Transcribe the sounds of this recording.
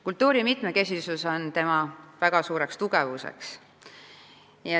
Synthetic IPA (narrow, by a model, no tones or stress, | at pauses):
kult̪ːˑuːɾimit̪ˑme̞ke̞sisuso̞nt̪e̞mɑvæɡ̥ɑsuːɾe̞kst̪uɡ̥e̞vusḛks | jɑ